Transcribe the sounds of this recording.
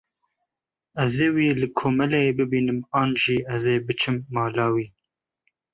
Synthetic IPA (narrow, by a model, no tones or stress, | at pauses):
ɛzeːwiːlɨkʰoːmɛlɛebɨbiːnɨmɑːnʒiːɛzeːbɨt͡ʃʰɨmːɑːlɑːwiː